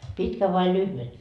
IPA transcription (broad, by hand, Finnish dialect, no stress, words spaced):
pitkæ ʋɑi lyhʋe